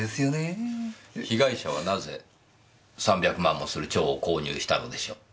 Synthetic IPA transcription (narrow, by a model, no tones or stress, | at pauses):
esɨjone | çiɡaiɕaβ̞anaze̞ | sãmbʲakɯ̟mãmːo̞sɨɾɯ̟t͡ɕo̞ːko̞ːɲ̟ʲɨ̰ːɕi̥t̪ano̞d̪e̞ɕoː